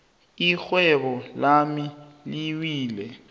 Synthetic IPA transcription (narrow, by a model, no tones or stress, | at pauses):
ixwɛɓɔlamiliwiːlɛ